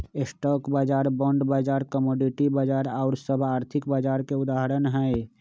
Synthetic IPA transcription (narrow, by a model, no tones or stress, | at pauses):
ɪsʈɔːkbaːd͡ʒaːɾbɔ̃ɳɖbaːd͡ʒaːɾkəmɔːɖiʈibaːd͡ʒaːɾaːɾsəbʱaːɾt̪ʰɪkbaːd͡ʒaːɾkeʊd̪aːɦəɾənɦɛe